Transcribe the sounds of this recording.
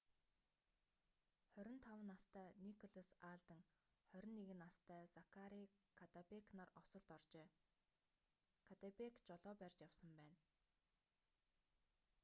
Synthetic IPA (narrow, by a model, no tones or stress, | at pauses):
χœɾʲɪ̆nt̪ʰawə̆nast̪ʰæːnikʰɔɮɔsaːɮt̪ə̆ŋχœɾʲɪ̆nːeɣɘ̆nast̪ʰæːsakʰaɾikʰat̪apeknarɔsɞ̆ɮt̪ɔrt͡ɕeː | kʰat̪apekt͡ɕɔɮɔːpærʲt͡ɕjawsə̆mpæːn